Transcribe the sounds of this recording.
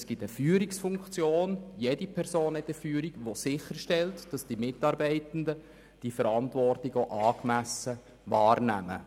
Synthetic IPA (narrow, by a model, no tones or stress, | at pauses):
sɡ̥itəfyːɾiksfuŋkt͡sjoːnjedipʰɛɾsoːnhɛtəfyːɾikʋosɪχəɾʃtɛltd̥ɑsd̥imɪtɑːɾbɛɪtn̩də | d̥ifəɾɑntvɔrtlɪɡoʔɑːkmæsə | ʋɑːrnæ̰mə̰